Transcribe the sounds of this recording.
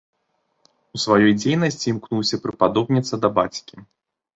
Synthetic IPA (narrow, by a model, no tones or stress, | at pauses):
usvajɔjd͡zʲejnɐsʲt͡sʲimknuwsʲɐpɾɨpad̪ɔbnʲit̪sɐd̪ɐbat͡sʲkʲi